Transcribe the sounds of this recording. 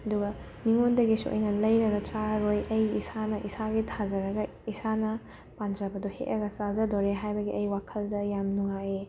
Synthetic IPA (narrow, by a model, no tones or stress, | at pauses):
ɐduɡɐ | miŋondɐɡisṵʔo̰jnɐlɐjɾɐɡɐt͡ʃaɾɾojʔɐjisanɐʔisaɡitʰazɐɾɐɡɐ | isanɐ | pand͡ʒɐbɐduhḛʔɐɡɐsazɐdoɾeɦajbɐɡiɐjwakʰɐldɐjamnuŋaje